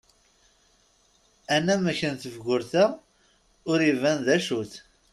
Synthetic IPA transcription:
ænæmæçənθəvɡʊɾθæ | ʊɾivænðæʃuθ

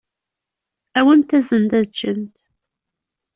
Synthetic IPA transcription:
æwənt̪æzənt̪æðt͡ʃːənt̪

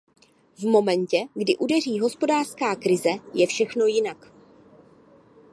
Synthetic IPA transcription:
vmo̞mɛncɛɡdɪʔudɛriːɦo̞spo̞daːr̥skaːkɾɪzɛjɛfʃɛxno̞jɪnak

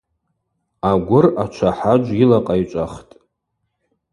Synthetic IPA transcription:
aɡʷʊrat͡ʃʷʰaħad͡ʒʷilaqʼajt͡ʃʷʼaχtʼ

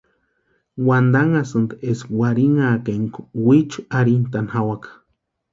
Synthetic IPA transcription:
wand̪aŋasɨnd̪eswaɾiŋaːkeŋkuwit͡ʃuaɾint̪anhawakḁ

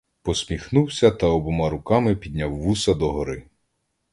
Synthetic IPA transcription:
pɔsʲmʲixnuwsʲɐt̪ɐɔbɔmɑɾʊkɑmɪpʲid̪ʲnʲawːusɐd̪ɔɦɔɾɪ

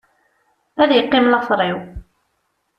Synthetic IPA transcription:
æðjəqːɪmlɑfɾˤɪw

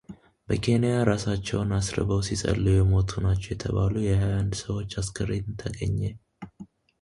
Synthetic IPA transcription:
b̥əkʰe̞nijaɾasat͡ʃːɛwnasɾə̰bəwsisʼə̰lːujɛmo̞t̪ʰunat͡ʃːɛwjɛt̪ʰəβalujɛhajand̪səwo̞t͡ʃːaskʰəɾet̪ɨnt̪ʰəɡəɲːe

